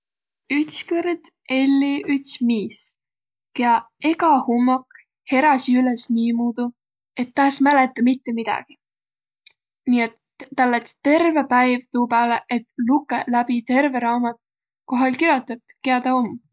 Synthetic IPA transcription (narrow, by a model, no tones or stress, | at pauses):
yt̪skyrd̪̥ | e̞lːiyt̪smiːs | keɑ | e̞ɡɑhumːɑk | he̞ɾɑsiylesniːmuːd̪̥u | e̞t̪ːɑːsmæle̞t̪ˑːɑmit̪ːe̞mid̪̥ɑ̰ɡ̥i | niːet̪ː | ɑlːet̪st̪e̞rve̞pæjvt̪uːpæːleʔet̪lukːˑelæbit̪e̞ɾve̞ɾɑːmɑt̪ | ko̞ɦɑlkiɾjɑt̪ːɑt̪keɑd̪̥ɑom